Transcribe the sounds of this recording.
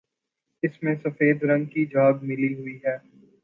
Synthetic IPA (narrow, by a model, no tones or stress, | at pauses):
ɪsmẽsɐfeːd̪ɾɐ̃ŋɡ̚kid͡ʒaːɡmɪliɦʊiɦɛː